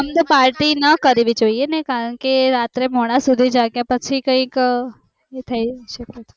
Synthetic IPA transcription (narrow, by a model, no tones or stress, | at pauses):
əmt̪opaɾʈinəkəɾeʋid͡ʒoienekaɾəɳkeɾat̪ɾemoɽ̃ãsud̪ʱid͡ʒaɡjapət͡ʃʰikə̃ik | et̪ʰəiʃəket̪ʰe